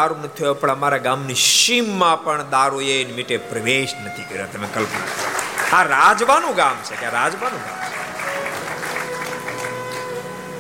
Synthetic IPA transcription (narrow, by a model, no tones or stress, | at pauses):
aɾunət̪ʰiopəɽəmaɾaɡamniʃimːãpəɳd̪aːɾojejnmiʈepɾəʋeːʃnət̪ʰikəɾjat̪əmẽkəlpna̰kʰəɾa̰aɾad͡ʒʋanũɡaːmt͡ʃʰekjaɾad͡ʒʋanũɡa̰ːmt͡ʃʰe